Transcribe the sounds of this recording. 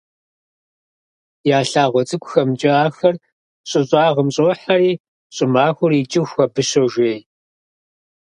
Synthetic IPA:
jaːɬaːʁʷɔt͡sʼɨkʷʼʊxɐmt͡ʃʼɪaːxɐr | ɕʼɪɕʼaːʁəmɕʼoːħaɾiː | ɕʼɪmaːxʷʊrit͡ʃʼɪxʷɐbɨɕoʒʷeːj

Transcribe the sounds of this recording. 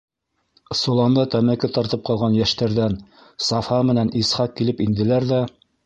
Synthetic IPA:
sŭlˠɑnd̪ɑt̪æmækɘt̪ɑɾt̪ɤp̚qɑlˠʁɑnjæʃt̪æɾðæn | sɑfɑmɘ̆nænisχɑq̚kːilɘpind̪ɘ̆læɾðæ

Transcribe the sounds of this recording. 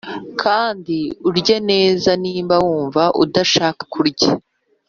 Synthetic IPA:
kʰaːndiuɾɟene̞ːzaniːmbawuːɱvaʔudaʃaːkḁkʰuɾɟa

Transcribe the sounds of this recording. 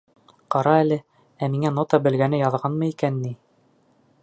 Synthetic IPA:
qɑɾɑælɘ | æmiŋænot̪ɑbɘ̆lɡænɘjɑðʁɑnmɤikænːi

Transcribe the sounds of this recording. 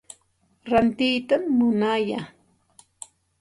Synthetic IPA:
ɾant̪ɪjt̪amːʊnaja

